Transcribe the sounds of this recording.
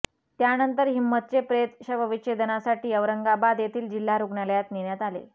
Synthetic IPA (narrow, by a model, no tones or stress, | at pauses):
t̪janənt̪əɾɦimːət̪̚t͡sepɾet̪ɕəʋəʋit͡ɕed̪ənasaʈiːəʋɾəŋɡabad̪jet̪ʰiːld͡ʑil̤ːaɾuɡɳaljat̪niɳjat̪alḛ